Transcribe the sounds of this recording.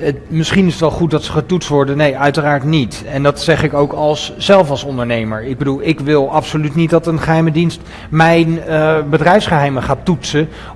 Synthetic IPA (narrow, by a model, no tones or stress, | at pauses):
əmɪsχinɪsətʋɛlˠχut̚dɑtsə̥χətutstʋɔɹdənejœɥtəraːɹtnit | ɛndɑtsɛχɪkowkɑlˠsːɛlˠfɑlˠsɔndəɹnejmə̰ɹɪɡ̚bədulˠɪkʋɪlˠɑpsolytnit̚dɑtənχəɦɛjmədinst | mɛjnbədrɛjfsχəɦɛjməχaːtutsə